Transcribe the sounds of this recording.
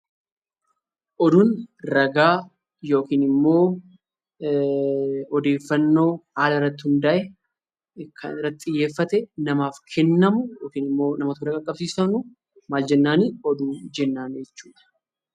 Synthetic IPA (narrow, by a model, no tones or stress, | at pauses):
ʔɔd̪ʊnɾɐɡaː | jo̞ːkiːnɪmːo̞ː | ɔd̪e̞ːfːɐnːo̞ːhaːlɐɪrːɐt̪ːɪhʊnd̪ɐʔɛ | kʰɐnɪrːɐt̪ɪɪjːe̞ːfːɐt̪ɛnɐmaːfkʰɛnːɐmʊjoːkiːnɪmːo̞ːnɐmɐt̪ʊɾɐkʼɐkʼːɐbsiːsɐnʊ | maːld͡ʒɛnːaːniːɔd̪uːd͡ʒɛnːaːnd͡ʒɛt͡ʃːuːᶑ̪ɐ̥